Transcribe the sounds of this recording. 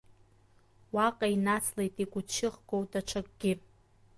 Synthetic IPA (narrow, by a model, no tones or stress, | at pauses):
waqʼainat͡sʰlejtʼiɡʷʊt͡ʃʰɪʁɡowtʼat͡ʃʷʰakʼɡʲɪ